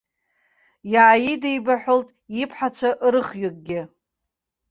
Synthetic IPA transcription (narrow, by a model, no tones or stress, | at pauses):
jaʕːjidejbaħʷoltʼipʰħat͡ʃʷʰaʔɾɨχɥakʼɡʲɪ